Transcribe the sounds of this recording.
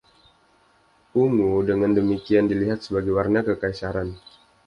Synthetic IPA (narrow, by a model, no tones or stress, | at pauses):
uŋudəŋandəmikiandiliɦat̪̚səbaɡajwarnakəkajsaɾan